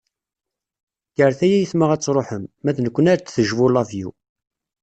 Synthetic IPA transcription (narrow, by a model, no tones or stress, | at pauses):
jəɾθæjæjəθməʁæt͡sːɾˤoħəmːæθnəkʷːənaɾt̪θəʒvʊlævjṵ